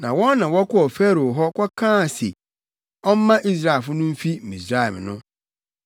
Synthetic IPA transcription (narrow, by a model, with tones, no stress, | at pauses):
nã˨wɔ̃˦nːã˨wɔ˦kʰɔ˦ɔ˨fɛ˦ɾo˨ɦɔ˦kʰɔ˦kʰãː˦˨se˨ | ɔ˦m˦mã˦ʔi˦s̬ɾa˦˨e˨fʊ˦nʊ̃˦m̩˦fi˦˨mĩ˨sɾa˦˨ɛ˨mnʊ̃˦